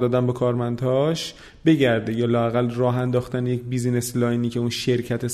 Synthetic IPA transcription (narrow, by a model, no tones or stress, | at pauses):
d̪ɒːd̪æmbekʰɒːɾmænd̪hɒːʃ | be̞ɟæɾd̪ejɒːlɒːæɣælrɒːɦænd̪ɒːxt̪ænejecbizne̞slɒːjniːcʰeunʃe̞ɾcʰæt̪ʰe